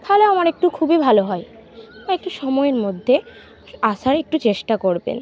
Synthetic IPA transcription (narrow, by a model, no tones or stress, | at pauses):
t̪ʰaɦoleamaɾek̚ʈukʰubibʱaloɦɔe | amaek̚ʈuʃɔmɔeeɾmod̪ʱːe | aʃaɾek̚ʈut͡ɕeʃʈakoɾbḛn